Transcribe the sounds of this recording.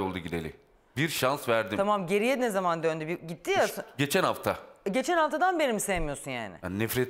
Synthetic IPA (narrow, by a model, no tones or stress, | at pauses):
olˠd̪uɟid̪elʲḭm | biɾʃansvæɾd̪it̪ʰamamɟe̞ɾijenezamand̪ønd̪ybiɟit̪ʰːijasɯnɟet͡ʃʰænhaft̪ʰaɟe̞t͡ʃʰænhaft̪ʰad̪anbe̞nimsejmijo̞sunja̰ːnɪ̰nɛfɾet̪